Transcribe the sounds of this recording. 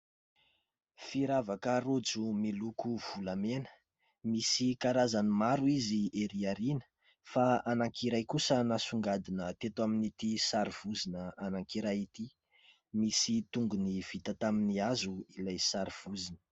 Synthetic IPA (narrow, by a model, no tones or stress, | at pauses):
fiɾavakəɾod͡zumilukuv̥ulamenə | misikaɾazanimaɾuizieɾiaɾinə̥ | faanaŋkiɾajkusənasuŋɡad̪inət̪et̪waminit̪isaɾiv̥uzinəanaŋkiɾajit̪i | misit̪uŋɡuniv̥it̪ət̪aminiazuilajsaɾiv̥uzinə̥